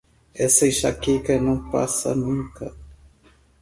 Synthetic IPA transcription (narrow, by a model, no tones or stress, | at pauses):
ɛsɐjʃakekɐnɐ̃w̃pa̰sɐ̰nũŋkɐ